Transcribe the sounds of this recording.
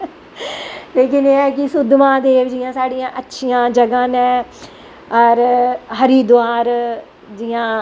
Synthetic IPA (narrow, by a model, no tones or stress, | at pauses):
leːkɪneːɛːkɪsʊd̪mãːd̪eːʋd͡ʒɪjãːsaːɽijãːʔətːʃʰijãːd͡ʒəɡãːnɛ̃ː | ɔɾɦəɾiːd̪ʊaːɾ | d͡ʒɪãː